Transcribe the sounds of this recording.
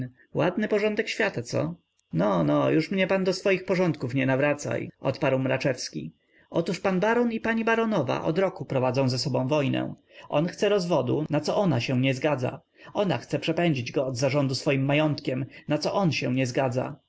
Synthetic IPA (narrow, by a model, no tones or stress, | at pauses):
wad̪nɘpɔʐɔ̃nd̪ɛkɕfʲjat̪at̪sɔ̰ | nɔnɔjuʂmɲɛpand̪ɔsfɔjixpɔʐɔnt̪kufɲɛnavɾat̪sa̰jʔɔt̪paɾwmɾat͡ʂɛfskʲḭ | ɔt̪uʂpanbaɾɔnipaɲibaɾɔnɔva̰ʔɔ̰d̪ɾɔkupɾɔvad̪zɔ̃w̃zɛsɔbɔ̃w̃vɔjnɛ̰̃ | ʔɔnxt̪sɛɾɔzvɔd̪ṵnat̪sɔʔɔnaɕɛ̃ɲɛzɡad̪za̰ | ɔna̰xt̪sɛpʂɛpɛɲd͡ʑid͡ʑɡɔːd̪zaʐɔnd̪usfɔjimːajɔnt̪kʲɛmnat̪sɔʔɔnɕɛw̃ɲɛzɡad̪za̰